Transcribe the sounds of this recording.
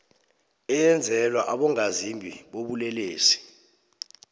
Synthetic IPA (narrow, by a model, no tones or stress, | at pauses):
ɛjɛnd͡zʱɛlwaʔaɓɔŋazimbʱiɓoɓulɛleːsi̥